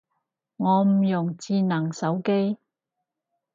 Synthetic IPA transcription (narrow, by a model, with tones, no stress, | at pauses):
ŋɔː˨˧m̩˨˩jʊ˨˩ŋt͡siː˧nɐ˨˩ŋsɐ˨˥wke˥j